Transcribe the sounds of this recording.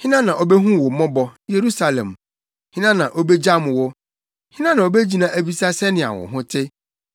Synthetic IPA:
hɪ̃˦nã˦nã˨ʔo˨bɛ˦ɦũ˦wɔ˨mɔ̃˦bɔ˨je˨ɾu˦sa˨lɛ̰̃˨m | hɪ̃˦nã˦nã˨ʔo˦bɛ˦d͡ʑa˦mʊ̃˨wʊ˦ | hɪ̃˦nã˦nã˨o˨be˦d͡ʑi˦nã˦ʔæ˨bi˦sa˦sɛ˦nɪ̃˨a̰˨wʊ̰˨ɦʊ̃˦tʰɪ˦

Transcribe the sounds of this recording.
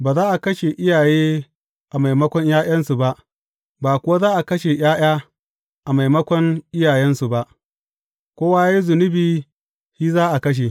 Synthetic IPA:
baː˨zaː˦ʔa˨kɐ˦ʃe˨ʔɪ˦jaː˨jeː˦ | ʔa˨ma˨jmɐ˦kʷɔ˦ɲjaː˦j̰ɐ˦nsu˨ba˦ʔ | baː˨kʷʊ˨wa˦zaː˦ʔa˨kɐ˦ʃe˨j̰aː˦j̰aː˦ | ʔa˨ma˨jmɐ˦kʷɔ˦ŋʔɪ˦jaː˨jɛ˦nsu˨ba˦ʔ | kʷoː˦wa˦ja˦i˦zʊ˨nʊ˦biː˨ | hiː˦zaː˦ʔa˨kɐ˦ʃ̬e˨

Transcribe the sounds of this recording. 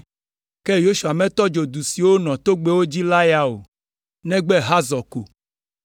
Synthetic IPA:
kɛ˦jo˦ʃu˨a˨mɛ̃˦t̪ɔ˦d͡ʒo˨d̪u˨si˨wo˦nɔ̃˨t̪o˦ɡ͡be˦wo˦d͡ʑi˦la˦ja˦o̰˨ | nɛ̃˦ɡ͡bɛ˦ɦa˦zɔ˨ko˨

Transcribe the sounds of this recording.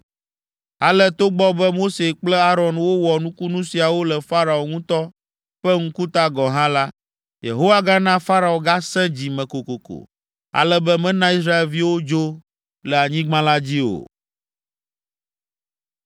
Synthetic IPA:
a˨lə˦t̪o˦ɡ͡bɔ˦bɛ˦mo˦se˨k͡plɛ˦a˦ɾɔ˨nwo˦wɔ˨nũ˦ku˦nũ˦si˨a˨wo˦lɛ˨fa˦ɾa˨o˨ŋũ˦t̪ɔ˦ | ɸɛ˦ŋ̩̃˦ku˦t̪a˦ɡɔ˨ɦã˦la˦ | jḛ˨ɦo˦wa˦ɡa˦nã˦fa˦ɾa˨o˨ɡa˦sɛ̃˦d͡ʑi˨mɛ̃˨ko˨ko˨ko̰˨ | a̰˨lɛ˦bɛ˦mɛ̃˦nã˦i˦s̬ɾa˦e˨lvi˦wo˦d͡ʒo˦ | lə˨a˨ɲĩ˦ɡ͡bã˦la˦d͡ʑi˦o̰˨

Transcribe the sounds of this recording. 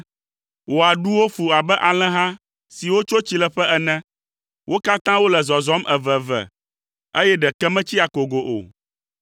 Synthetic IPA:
wo˨a˨ɖu˦wo˦fu˨a˨bɛ˦ʔa˨l̃ɛ̃˦ɦã˦ | si˨wo˦t͡ʃo˦t͡ɕi˦lɛ˨ɸɛ˦ɛ˨nɛ̃˦ | wʔo˦ka˦t̪ã˦wo˦lɛ˨zɔ˨zɔ˨˦mɛ˨vɛ˨vɛ̰˨ | e˦jɛ˦ɖɛ˨kɛ˦mɛ̃˦t͡ɕi˦a˨ko˨ɡo˨ʔo̰˨

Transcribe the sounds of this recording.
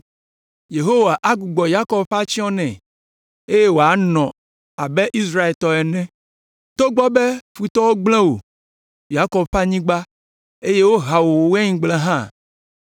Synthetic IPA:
je˨ɦo˦wa˨ʔa˦ɡu˨ɡ͡bɔ˨ja˦kɔ˨bɸa˦t͡ɕi˦ɔ̃˦nɛ̃˨ | e˦je˦wo˨a˨˦nɔ̃˨ | a˨bɛ˦ʔi˦s̬ɾa˦e˨lt̪ɔ˨ɛ˨nɛ̃˦ | t̪o˦ɡ͡bɔ˦be˦fu˨t̪ɔ˦wo˦ɡ͡bl̃ɛ̃˦wo̰˨ | ja˦kɔ˨bɸa˦ɲĩ˦ɡ͡ba˦ | e˦je˦wo˦ɦa˨wo˨wo˨wɛ˦ɲĩ˦ɡ͡blɛ̃˦ɦã˦˨

